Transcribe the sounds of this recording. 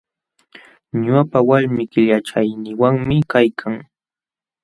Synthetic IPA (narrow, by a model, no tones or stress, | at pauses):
ɲʊpawaɾmɪkɪʎaʈ͡ʂajnɪwaŋmɪkajkʰaŋ